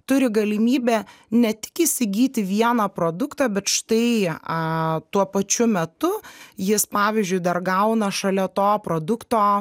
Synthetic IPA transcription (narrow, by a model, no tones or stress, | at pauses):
t̪ʊɾʲɪɡɐlʲɪmʲiːbʲɛːnʲɛt̪ʲɪ̥kiːsʲɪɡʲiːt̪ʲɪʋʲiɛnɐpɾoːd̪ʊkt̪ɑːbʲɛt̪ʃt̪ɐɪ | t̪uɔpɐt͡ʃʲʊmʲɛt̪ʊjɪspɑːʋʲiːzʲd͡ʒʲʊɪd̪ɐrɡɐʊnɐʃɐlʲɛt̪oːpɾoːd̪ʊkt̪oː